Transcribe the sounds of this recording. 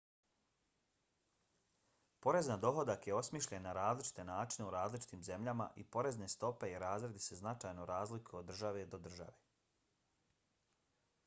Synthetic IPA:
po̞ɾe̞znad̪o̞ɦo̞d̪akje̞o̞smiʃʎenːaɾaːzlit͡ʃi̥t̪e̞naːt͡ʃine̞uɾaːzlit͡ʃi̥t̪iːmze̞mʎama̰ʔipo̞ɾe̞znest̪o̞pe̞iɾaːzɾed̪ise̞znat͡ʃajnoɾaːzlikood̪ːɾr̩ʒaʋe̞d̪o̞d̪r̩ʒa̰ʋe

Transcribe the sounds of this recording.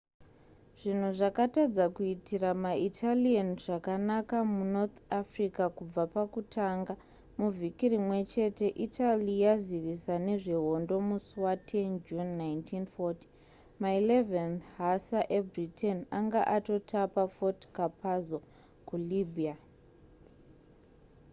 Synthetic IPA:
ʐ̥in̤uʐakatad͡zakuitiramaitʰalianʐakanakamunot̪ʰafrikakub͡vapakutʰaːŋɡa | muvʱikirimwe̞t͡ʃe̞te̞ʔitʰalijaziʋisane̞ʐeɦo̞ndo̞muswatʰe̞nd͡ʒunːajntʰinfoti̥ | mailevanhasaʔebʱritʰenaŋɡaʔato̞tʰapafotkapazo | kulibʱia

